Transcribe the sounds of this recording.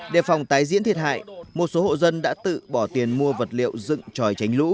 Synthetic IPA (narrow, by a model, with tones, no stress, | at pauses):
ɗe˧˩fa˨˩wŋ͡mt̪aː˨˦jzḭ˧˥nt̪i˨˩ət̚ha̰ː˧˨jmo˨˩t̚so˨˦ho̰˧˨zə˧nɗa̰ː˧˥t̪ɨ̰˧˨ɓɔ˧˩t̪i˨˩ənmu˧əvə˨˩t̚lḭ˧˨əwzɨ̰˧˨ŋt͡ɕɔ˨˩jt͡ɕa˨˦jŋlṵ˧˥